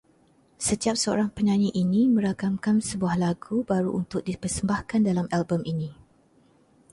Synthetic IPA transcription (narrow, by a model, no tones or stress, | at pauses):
sət̪iap̚səo̰ɾaŋpəɲãɲiʔinĩmə̃ɾakamkansəbuahlaɡubaɾuʔunt̪ʊk̚dipərsəmbahkandalamalbəminĩ